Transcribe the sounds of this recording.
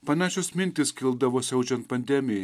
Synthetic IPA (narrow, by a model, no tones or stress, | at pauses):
pɐnɑːʃʲosmʲɪnʲt̪ʲɪskʲɪlˠd̪ɐʋoːsʲɛʊt͡ʃʲɛnt̪̚pɐnʲd̪ʲɛmʲɪjɛ